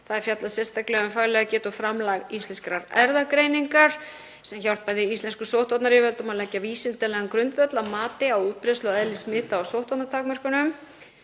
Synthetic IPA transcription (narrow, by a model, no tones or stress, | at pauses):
θaðɛɾ̥fjat̪lasɛst̪aklɛɣʏmfaɣlɛɣacɛːt̪ʏfɾamlaɣist̪lɛnskɾaɾɛɾðakɾejniŋkaɾ̥ | sɛmçawl̥paðɪist̪ɛnskʏsowht̪vɔt̪naɾjɛvɛlt̪ɔmaðlɛcːaviːsɪnt̪ɛlɛɣankɾʏnt̪vœt̪lamaːt̪ɪawuːt̪̚pɾɛst̪lɔɛðlɪsmɪːt̪aawsowht̪vɔt̪nat̪ʰaːkmœr̥kʏnʏm